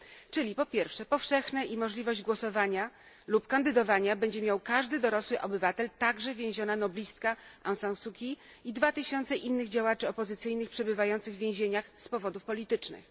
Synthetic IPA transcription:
t͡ʂɘlʲipɔpʲjɛɾfʂɛpɔfʂɛxnɛʔimɔʐlʲivɔʑd͡ʑɡwɔsɔvaɲa | lupkand̪ɘd̪ɔvaɲabɛɲd͡ʑɛmʲjawkaʐd̪ɘd̪ɔɾɔswɘʔɔbɘvat̪ɛlt̪aɡʐɛvʲjẽw̃ʑɔnanɔblʲist̪kaãwsãwsukʲi | id̪vat̪ɘɕɔnt̪sɛʔinːɘɣd͡ʑawat͡ʂɘɔpɔzɘt̪sɘjnɘxpʂɛbɘvajɔnt̪sɘɣvʲjẽʑeɲaxspɔvɔd̪ufpɔlʲit̪ɘt͡ʂnɘ̰x

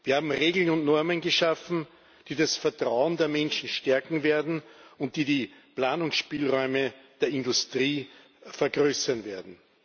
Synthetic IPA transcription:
v̥iːɐhaːbm̩ʁeːɡl̩nʊntnɔɐmənɡəʃafn̩ | d̥iːdasfɛɐtʁ̥aʊəndeːɐmɛnʃn̩ʃtɛɐkŋ̩veːɐdn̩ʊnt̚d̥iːdiːplaːnʊŋsʃpiːlʁɔʏməd̥eːɐɪndʊstʁ̥iː | fɛɐɡʁøːsɐnveːɐdn̩

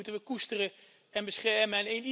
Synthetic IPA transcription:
utənʋəkustərə | ɛnbəsχɛɹməanejni

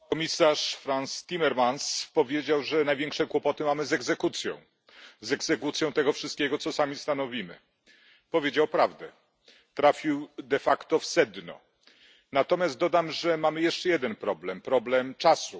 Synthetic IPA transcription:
kɔmʲisaʂfɾanst̪ʲimɛɾmanspɔvʲjed͡ʑawʐɛnajvʲjɛ̃ŋkʂɛkwɔpɔt̪ɘmamɘzɛɡzɛkut̪sʲjɔ̰̃w̃ | zɛɡzɛkut̪sʲjɔ̃w̃t̪ɛɡɔfʂɘst̪̚kʲeɡɔt̪sɔsamʲist̪anɔvʲimɘ̰ | pɔvʲjed͡ʑawpɾavd̪ɛ | t̪ɾafʲiwd̪ɛfakt̪ɔfsɛd̪nɔ̰ | nat̪ɔmʲjast̪̚d̪ɔd̪amʐɛmamɘjɛʂt͡ʂɛjɛd̪ɛnpɾɔblɛmpɾɔblɛmt͡ʂasu

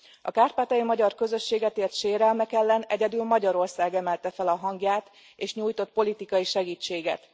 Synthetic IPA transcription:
ɒ̰kaːrpaːt̪ɒjimɒɟɒrkø̞zø̞ʃːeːɡɛt̪eːrt̪ʃeːɾɛlmɛkɛlːɛnɛɟɛd̪ylmɒɟɒɾo̞rsaːɡɛmɛlt̪ɛfɛlɒɦɒŋɡjaːt̪ | eːʃɲuːjt̪o̞t̪̚po̞lit̪ikɒjiʃɛɡiːt͡ʃːeːɡɛ̰t̪

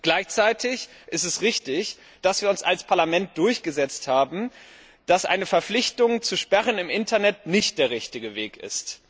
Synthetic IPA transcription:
ɡ̥laɪçt͡saɪtʰɪçʔɪstɛsʁɪçtɪç | d̥asv̥iːɐʊnsalspʰaɐlamɛnt̚d̥ʊɐçɡ̥əzɛt͡sthaːbm̩ | d̥asʔa̰ɪnəfɛɐflɪçtʊŋt͡suʃpɛʁənɪmʔɪntɐnɛtnɪçt̚d̥eːɐʁɪçtɪɡəveːkɪ̰st

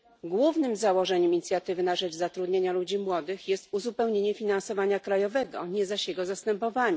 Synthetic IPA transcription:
ɡwuvnɘmzawɔʐɛɲɛmiɲit̪sʲjat̪ɘvɘnaʐɛt͡ʂzat̪ɾud̪ɲeɲalud͡ʑimwɔd̪ɘxjɛst̪uzupɛwɲeɲɛfʲinansɔvaɲakɾajɔvɛɡɔ̰ɲɛzaɕjɛɡɔzast̪ɛmpɔvaɲɛ

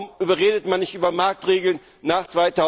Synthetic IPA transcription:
mʔyːbɐʁeːdətmanːɪçtʔyːbɐmaɐk̚tʁeːɡl̩nːaːχt͡sv̥aɪtʰaʊ

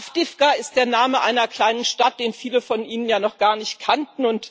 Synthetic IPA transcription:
fd̥ɪfɡ̥aɪst̚d̥eːɐnaːməʔaɪnɐkl̥aɪnənʃtat̚d̥eːnfiːləfɔnʔiːnənjaːnɔχɡ̥aːɐnɪçt̚kʰantn̩ʊnt

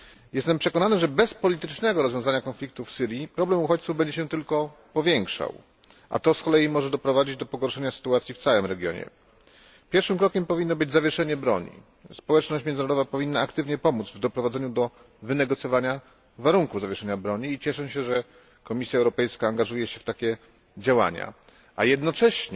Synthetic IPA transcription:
jɛst̪ɛmpʂɛkɔnanɘʐɛbɛspɔlʲit̪ɘt͡ʂnɛɡɔɾɔzvjɔ̃zaɲakɔnflʲik̚t̪ufsɘɾʲjipɾɔblɛmuxɔt͡ɕt̪suvbɛɲd͡ʑɛɕɛt̪ɘlkɔpɔvʲjɛŋkʂa̰w | ʔa̰t̪ɔskɔlɛjimɔʐɛd̪ɔpɾɔvad͡ʑid͡ʑd̪ɔpɔɡɔɾʂɛɲasɘ̥t̪uat̪sʲjift̪sawɘmɾɛɡʲjɔ̰ɲɛ̰ | pʲjɛɾfʂɘmkɾɔkʲɛmpɔvʲinːɔbɘd͡ʑzavʲjɛʂɛɲɛbɾɔɲḭ | spɔwɛt͡ʂnɔɕt͡ɕmjɛnnɾɔd̪ɔvapɔvʲinːaːkt̪ɘvɲɛpɔmud̪zvd̪ɔpɾɔvad̪zɛɲud̪ɔ | vɘnɛɡɔt̪sʲjɔvaɲa | vaɾuŋkuvzavjɛʂɛɲabɾɔɲiːt͡ɕɛʂɛ̃ɕɛʐɛ | kɔmʲisʲjaɛwɾɔpɛjskaːŋɡaʐujɛɕɛft̪akʲɛ | d͡ʑawa̰ɲa̰ | ʔajɛd̪nɔt͡ʂɛɕɲ

